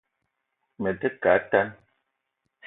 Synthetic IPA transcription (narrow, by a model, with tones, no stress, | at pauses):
mə˨də˦ka˨˦ta˦n